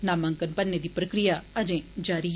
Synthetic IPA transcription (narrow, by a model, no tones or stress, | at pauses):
naːmə̃ŋkənpənːeːd̪iːpɾəkɾɪjaːəd͡ʒẽːd͡ʒaːɾiː